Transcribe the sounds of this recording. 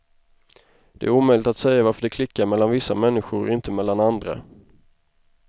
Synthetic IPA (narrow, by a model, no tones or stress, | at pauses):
d̪̥ɛ̰æɾuːmœʏjlɪt̪at̪sɛjːavaɾfəɖɛkʰlɪkːaɾmɛlːanvɪsːamɛnːɪɧʊɾɔ̰ɪnt̪əmɛlːanand̪ɾa̰